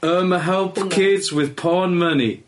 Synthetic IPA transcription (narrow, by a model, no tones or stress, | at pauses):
ɜːməɦɛlˠpkʰɪdz̥wɪð̥pʰɑːnmənḭ